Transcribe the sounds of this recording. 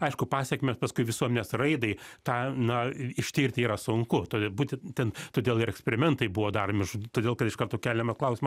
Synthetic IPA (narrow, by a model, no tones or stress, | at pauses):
ɐɪʃkʊpɑːsʲɛkʲɪmʲespɐskʊɪʋʲɪsuɔmʲɛnʲeːsrɐɪd̪ɐɪt̪ɑːnɐɪʃʲt̪ʲiːɾʲt̪ʲɪiːɾɐsʊŋkʊt̪oːdbuːt̪ʲɛnt̪ʲɛnt̪oːd̪ʲeːlˠɪɾɛksʲpʲɛɾʲɪmʲɛnt̪ɐɪbʊʋoːd̪ɐrmʲɪʒt̪oːd̪ʲeːlˠkɐt̪ɪʃkɐrt̪oːkʲæːlʲɛmɐsklˠɐʊsʲɪmɐs